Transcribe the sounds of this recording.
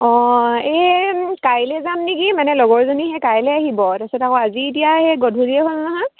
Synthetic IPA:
ɔ̃ekajlɛzamnikimanɛlɔɡɔɹzoniɦɛkajlɛaɦibɔtasɛtakɔaziitijaɦɛɡɔdʱuɹiɛɦolnaɦã

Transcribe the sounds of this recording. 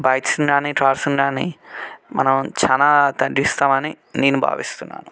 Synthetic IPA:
bajt̪sunɾaniʈʰaɾsunɾanḭmɐ̰nɐ̃t͡ʃʰanat̪aɖist̪amani | ninba̰ːbist̪una̰ːnu

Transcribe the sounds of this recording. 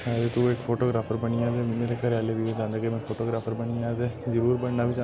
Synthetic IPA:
ad̪et̪ueːkfʰoːʈoːɡɾaːfʰəɾbɐniaːd̪emmeɾekəɾaːlebiʋẽd͡ʒãːnd̪akemẽfʰoːʈoːɡɾaːfʰəɾbɐniaːd̪ed͡ʒəɾuːɾbɐɽnabʱid͡ʒa

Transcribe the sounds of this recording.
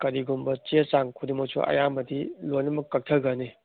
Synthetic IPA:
kɐɾiɡumbɐt͡ʃiesaŋkʰudimosʰṵʔɐ̰jamɐdilojnɐmɐkːɐk̚tʰɐɡani

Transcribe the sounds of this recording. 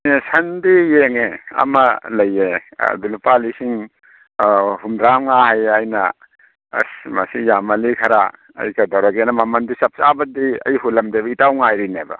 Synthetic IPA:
esɐndijeŋeɐ̰mɐlɐjḛdulupalisiŋ | humdɾamŋahajajnɐ | smɐ̰sijamɐlikʰɐɾa̰ | ɐ̰jkɐdɔwɾaɡenɐmɐmɐndisɐp̚sabɐdiɐ̰jhulɐmdebɐitawŋajɾinebɐ̰

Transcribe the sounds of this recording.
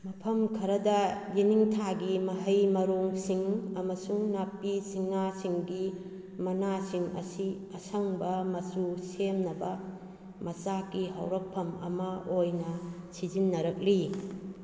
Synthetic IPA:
mɐpʰɐmkʰɐɾɐdɐjiniŋtʰaɡimɐɦɐjmɐɾoŋsiŋɐmɐsuŋnapːisiŋasiŋɡi | mɐnasiŋɐ̰si | ɐsɐŋbɐmɐsusemnɐbɐ | mɐsakiɦɐ̰wɾɐk̚pʰːɐmɐ̰mɐʔojnɐsizinːɐɾɐk̚li

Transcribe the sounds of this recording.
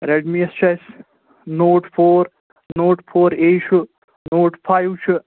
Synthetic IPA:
ɾeɖmiest͡ʃʰɐs | noːʈpʰoːɾ | noːʈpʰoːɾeːt͡ʃʰu | noːʈpʰajwt͡ʃʰu

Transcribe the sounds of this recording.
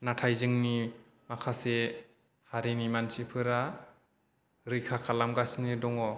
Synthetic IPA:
natʰajzɯŋni | makʰase | haɾinimansipʰɯɾa | ɾɯjkʰakʰalamɡasnɯdɔŋɔ

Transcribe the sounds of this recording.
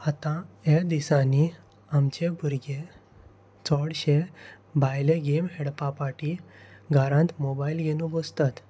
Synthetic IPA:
at̪ãed̪isãni | amt͡ɕebʱuɾɡe | t͡sɔɽɕe | bʱajleɡemɦeɽpapaʈiɡaɾãnt̪mobailɡenũbɔst̪at̪

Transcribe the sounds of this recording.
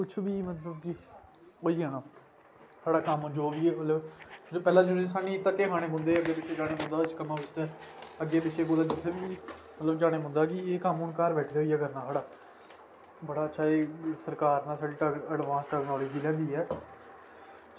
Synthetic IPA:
kʊt͡ʃʰʋiːmət̪ləbki | oːiːɡaːnaː | saːɽaːkəmd͡ʒoːʋiːemət̪ləbpɛːlãːd͡ʒʊnːsaːnĩːt̪əkːeːɦaːɽ̃eːbʊ̃nd̪eːəɡeːbɪt͡ʃʰːeːd͡ʒaːɽ̃eːbʊ̃nd̪aːt͡ʃkəmaːbɪst̪ɛːəɡːeːbɪt͡ʃʰːeːboːd̪aːd͡ʒɪt̪ʰːeːʋiː | mət̪ləbd͡ʒaːɽ̃eːbʊ̃nd̪aːk̬ɪeːkəmʊnkaːɾʋɛːʈʰːeːɦoiːjaːkəɾnaːsaːɽaː | bəɽaːətːʃʰaːeːsəɾkaːɾnãːsaːɖiːəɖʋãːnsʈɛːknɔːləːd͡ʒiːlɛ̃ːnd̪iːɛː

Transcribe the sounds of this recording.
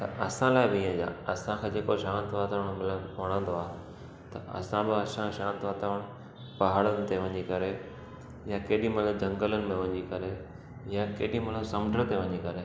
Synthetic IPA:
t̪ɐ̰ʔɐsãlaːɪbɪĩə̃d͡ʑa̰ːɐsãkʰẽːd͡ʑeːkoʃaːnt̪ʋaːt̪aʋəɽ̃mɪləʋɐɽ̃ə̃nd̪oaːɦ | t̪ɐ̰ʔɐ̰sãbɪəsãʃãːnt̪ʋaːt̪aʋəɽ̃ʊ | pɐɦaːɽənɪ̆t̪eʋɐ̃ɲikɐɾe | jakeːɗĩmɐnud͡ʑʱɐ̃ŋɡələnɪ̆mẽʋɐ̃ɲikɐɾe | jãkeːɗĩmɐnusɐmɖʱəɾt̪eʋɐ̃ɲikɐɾe

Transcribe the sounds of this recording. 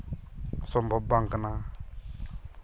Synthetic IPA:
sɔmbʱɔbːaŋkana

